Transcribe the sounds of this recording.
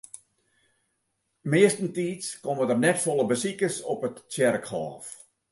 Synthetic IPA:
mɪəstən̩tiːtskɔmədərnɛtfɔlˠəbəsikərsɔpəttɛrkhɑ̰ːf

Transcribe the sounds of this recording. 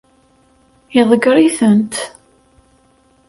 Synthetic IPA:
jɪðˤɡɾiθənt̪

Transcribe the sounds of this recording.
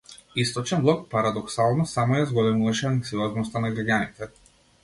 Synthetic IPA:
ist̪ɔt͡ʃɛnblˠɔk̚paɾad̪ɔksalˠnɔsamɔjazɡɔlɛmuvaʃɛaŋksiɔznɔst̪anaɡɾaɟanit̪ɛ

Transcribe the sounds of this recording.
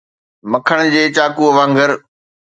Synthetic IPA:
mɐkʰəɽ̃d͡ʑeːt͡ɕaːkuɐʋãːŋɡəɾ

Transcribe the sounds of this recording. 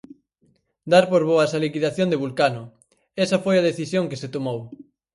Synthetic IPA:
d̪aɾpoɾβoasalikiðaθjond̪eβulkanʊ | ɛsɐfojɐð̞eθisjoŋkeset̪omow

